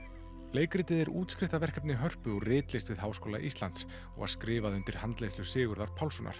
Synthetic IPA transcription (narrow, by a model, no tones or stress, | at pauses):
leːjkɾɪːt̪ɪðɛɾuːt̪skɾɪht̪avɛr̥kɛpnɪɦœr̥pʏɔrɪːt̪lɪjst̪vɪðɦaːwskoːwlaʔist̪lant̪s | ɔ̰ɣa̰skɾɪːvaðʏnt̪ɪɾ̥hant̪lejslʏsɪːɣʏɾðaɾ̥pʰawlsɔnʔa̰ɾ̥